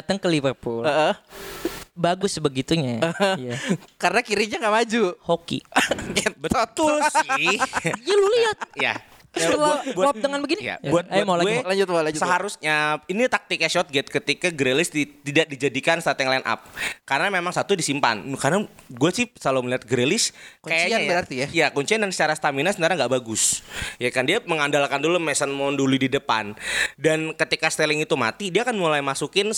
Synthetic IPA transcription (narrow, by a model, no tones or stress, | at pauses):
at̪əŋkəlivərpuləə | baɡʊsbəɡit̪uɲaəjakaɾənakiɾiɲaŋɡaʔmad͡ʒuhokḭɡɛt̪̚bəat̪u | ɡaluliat̪̚ija̰ | labuaɔdəŋanbəɡinija̰buat̪̚jamalaelaɲd͡ʒʊt̪̚malaɲd͡ʒsəɦaɾusɲainit̪ak̚t̪ɪkjaʃɔt̪̚ɡɛt̪̚kət̪ikaɡɾelɪst̪it̪idaʔ̚did͡ʒadikansat̪jaŋlɛnʔa̰p̚kaɾənamemaŋsat̪udisimpa̰nkarnaɡuasɪhsaloməliɦat̪̚ɡəɾelɪskkajaɲaanbəɾart̪ijajakuɲt͡ʃiandansə̥t͡ʃaɾast̪aminasənt̪aɾaŋɡaʔbaɡʊsjakandiaməŋandalkandulumɛsənmɔnduludidəpa̰ndankət̪ikast̪elɪŋit̪uma̰t̪idiaːkanmulajmasukɪn